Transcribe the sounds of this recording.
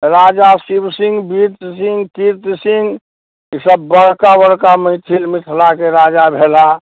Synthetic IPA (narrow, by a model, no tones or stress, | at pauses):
ɾaːd͡ʒasibsɪ̃ŋɡbiɾt̪sɪ̃ŋɡkiɾt̪sɪ̃ŋɡ | səbːəɽkabəɽkamə̃ɪt̪ʰilmɪʈ̪ʰlakeɾaːd͡ʒabʱeːla